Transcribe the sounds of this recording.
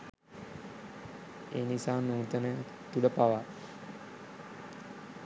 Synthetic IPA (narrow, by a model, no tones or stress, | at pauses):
ḛːnisaːnuːt̪ənəja | t̪uɖəpaʋa